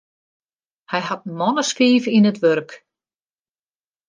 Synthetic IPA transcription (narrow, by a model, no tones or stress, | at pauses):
hajɦat̪̚nmɔnaskiːvinɪt̪vœɾk